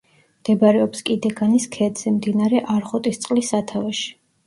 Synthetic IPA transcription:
md̪̥ɛbaɾɛɔpskʼid̪ɛɡaniskʰɛd̪z̥ɛmd̪inaɾɛʔaɾχɔt̪ʼist̪sʼqʼlisːat̪ʰavɛʃi̥

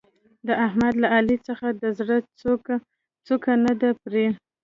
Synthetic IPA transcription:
d̪əʔahmad̪laʔalit͡səxad̪əzɽət͡s | t͡sukanad̪apɾe

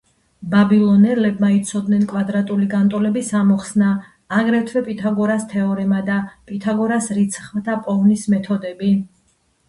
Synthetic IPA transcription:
babilˠɔnɛlɛbmait̪sʰɔd̪nɛnkʼwad̪ɾat̪ʼuliɡant̪ʼɔlɛbisamɔχsnaː | ɡɾɛt̪ʰwɛpʼit̪ʰaɡɔɾast̪ʰɛɔɾɛmad̪apʼit̪ʰaɡɔɾasɾit̪sʰχmat̪ʰapʼɔvnismɛt̪ʰɔd̪ɛbi

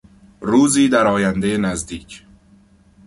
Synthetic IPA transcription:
ruːziːd̪æɾɒːjænd̪ejenæzd̪iːcʰ

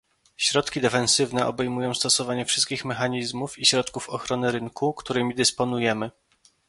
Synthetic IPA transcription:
ɕɾɔt̪kʲid̪ɛfɛnsɘvnɛʔɔ̰bɛjmujɔ̃w̃st̪ɔsɔvaɲɛfʂɘst̪̚kʲixmɛxaɲizmufiɕɾɔt̪kufɔxɾɔnɘɾɘŋkukt̪uɾɘmʲid̪ɘspɔnujɛmɘ

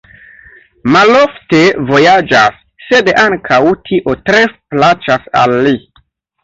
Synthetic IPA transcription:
malofte̞vo̞jad͡ʒasː | edaŋkʰawtʰiʔo̞tɾe̞plat͡ʃasa̰lːi

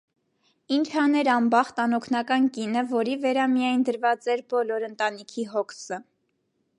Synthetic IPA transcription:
int͡ʃʰhɑnɛɾɑmbɑχt̪ɑnɔkʰnɑkɑnkinəvɔɾivɛɾɑmijɑjnd̪əɾvɑt͡sɛɾbɔlɔɾənt̪ɑnikʰiɦɔkʰsə

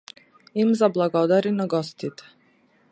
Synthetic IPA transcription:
imzablˠaɡod̪aɾinaɡost̪it̪ɛ̥

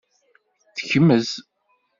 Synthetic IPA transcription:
θə̥çəmːəz

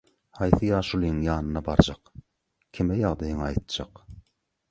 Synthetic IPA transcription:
hɑjθɯjɑːʃulˠijɯŋjɑːnɯnɑbɑɾd͡ʒɑq | kʲʰimejɑʁd̪ɑjɯŋɑjt̪̚d͡ʒɑq

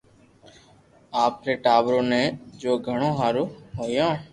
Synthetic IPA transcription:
aːpɾeːʈaːʋɾõːnẽːd͡ʒoːɡʱəɽ̃õːɦaːɾõːɦoːjãː

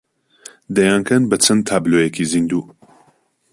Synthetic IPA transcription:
d̪ɐjaːnkʰɐnbɐt͡sʰɐnt̪ʰaːblojekizind̪uː

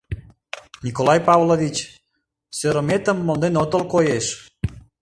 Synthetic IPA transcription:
nʲikolɑjpɑβlovʲit͡ɕ | søɾəmet̪əmːolnenot̪əlkojeʃ

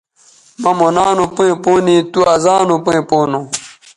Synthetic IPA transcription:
mɐmonaːnupuẽpoːnit̪uazaːnupuẽpoːnõ

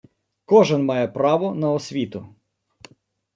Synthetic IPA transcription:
kɔʒɛnmɑjɛpɾɑʋɔnɐɔsʲʋʲit̪ʊ

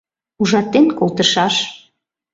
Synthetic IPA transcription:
uʒɑt̪ːenkolt̪əʃɑʃ

